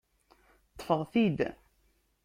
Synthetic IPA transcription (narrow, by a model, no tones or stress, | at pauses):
t̪ˤːfəʁˤθid̪